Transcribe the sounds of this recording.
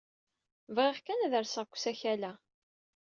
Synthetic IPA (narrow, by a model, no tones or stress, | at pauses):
vʁeʁkænæðəɾsəʁkʷːsæçælæ